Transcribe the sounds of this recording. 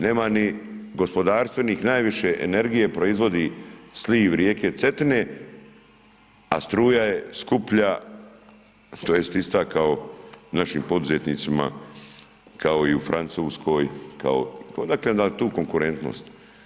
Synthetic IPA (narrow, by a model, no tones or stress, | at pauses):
neːmaniɡo̞spo̞d̪aːɾst̪vʋeniːxnaːjʋiʃe̞ʔene̞ɾɡijepɾo̞izʋo̞d̪isliʋɾjeːke̞t̪se̞t̪ine | a̰st̪ɾuːjaje̞skupʎa | t̪ojest̪ist̪aːkaonaʃiːmpo̞d̪uzet̪niːt̪sima̰ | kao̞iufɾʔant̪suːskʰo̞jka̰o̰t̪od̪aklend̪at̪uːko̞ŋkuɾe̞nt̪no̰st̪